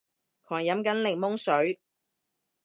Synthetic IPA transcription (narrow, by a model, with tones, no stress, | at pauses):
kʰɔː˨˩ŋjɐ˨˥mkɐ˨˥nlɪ˨˩ŋ̚mʊ˥ŋsɵ˨˥ɥ